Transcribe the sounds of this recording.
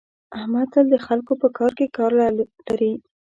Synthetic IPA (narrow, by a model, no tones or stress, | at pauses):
ahmad̪sald̪əxalkopəkɑɾkekɑɾlalaɾi